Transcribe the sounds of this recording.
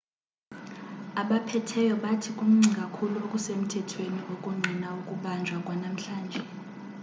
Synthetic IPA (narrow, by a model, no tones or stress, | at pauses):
aɓapʰɛtʰɛjɔɓatʰikʼum̩ŋ͡ǀʱiŋɡʱakʰuluokʼusem̩tʰɛtʰweniokʼuŋ͡ǃʱinaukʼuɓand͡ʒʱwakʼwanam̩ɬaːnd͡ʒʱɛ